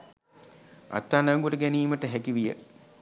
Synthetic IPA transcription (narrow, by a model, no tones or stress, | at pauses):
ʔa̰t̪ːaːnəŋɡuʈəɡæniːməʈəɦækiʋijə